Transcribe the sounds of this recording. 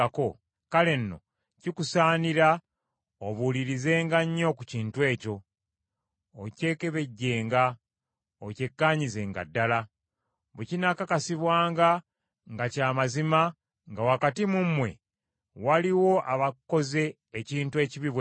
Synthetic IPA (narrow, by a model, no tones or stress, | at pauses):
ako̞ | kale̞nːo̞̰ | cikusaːniɾa | oβuliɾize̞ːŋɡaɲːo̞kuciːntuwe̞ːco̞ | ce̞ːke̞βe̞ɟːe̞ːŋɡa | oce̞kːaːɲize̞ŋɡa̰dːala | βucinakakasiβwaːŋɡa | ŋɡacaːmazima | ŋɡawakatimumwe̞̰ | waliwo̞ʔaβakːo̞ze̞ː | ciːntue̞ːciβiβw